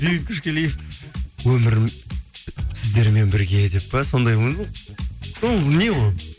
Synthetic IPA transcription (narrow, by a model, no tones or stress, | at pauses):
deit̪̚kʲʰʏʃkʲelej | wɵmɪɾ | sɪzd̪e̞ɾme̞nbɪɾɡʲe̞d̪e̞pːɑso̞nd̪ɑjwon | oneʁoj